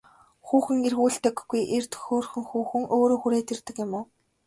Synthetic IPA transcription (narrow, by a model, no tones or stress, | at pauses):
xuːxɘ̆ŋerɣuːɬt̪ɘ̆kːujʔert̪ʰɵ̥xʲoːrxɵ̆ŋxuːxɘ̆ŋoːɾoːxuɾeːt̪ʰert̪ɘ̆kɪ̆mʊː